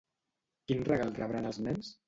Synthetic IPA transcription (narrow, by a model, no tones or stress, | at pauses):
kinrəɣalˠrə̰βɾanəlˠzmɛns